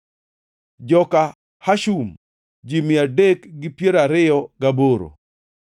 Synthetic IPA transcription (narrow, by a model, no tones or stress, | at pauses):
d͡ʒɔka | haʃum | d͡ʒimɪadekɡɪpjeɾaɾɪjɔɡaboɾo̰